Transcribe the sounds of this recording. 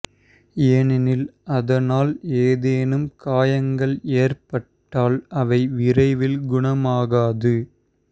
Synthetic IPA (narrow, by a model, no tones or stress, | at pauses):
enɪnɪlɐðɐnaːleːðeːnɯmkaːjɐŋɡɐɭeːrpɐʈːaːlɐʋɐɪʋɪrɐɪʋɪlɡʊɳɐmaːɣaːðɯ